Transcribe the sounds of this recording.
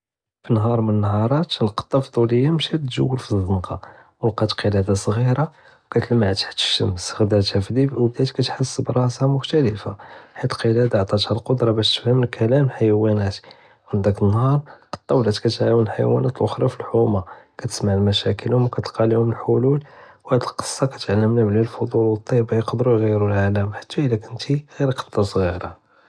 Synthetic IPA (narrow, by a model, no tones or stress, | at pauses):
finɦɑɾˤmənənːhɑɾˤɑt̪lqɑ̥t̪ˤːɑfd̪ˤuləjːamʃæt̪ʒəwːəlfizˤənqɑ | wəlqɑt̪qəlæd̪asˤɣiɾɑ | wkæt̪əlmaʕt̪ħt̪ə̥ʃəmsɣd̪æt̪hæfid̪ibwbd̪æt̪kæt̪ħəsːbɾˤɑsamʊxt̪æləfaħit̪qəlæd̪aʕt̪ˤɑt̪hælqod̪ɾˤɑbæʃt̪fhəməlkʰælæmlħajwænæt̪ | ʕənd̪ækənːhɑɾˤqɑ̥t̪ˤːɑwlæt̪kæt̪ʕawunəlħajwæ̰næt̪lʔʊxɾˤɑfilħumakæt̪ə̥smaʕlmæʃækəlhʊmwkæt̪qɑlihʊməlħolulwhæd̪əlqə̥sˤːɑkæt̪ʕalːəmnæblilfod̪ˤulwət̪ˤːɑjbajəqd̪əɾuɣijɾulʕaləmħḁt̪ʰːæəlːækʊnt̪iɣiɾqɑ̥t̪ˤːɑsɣiɾa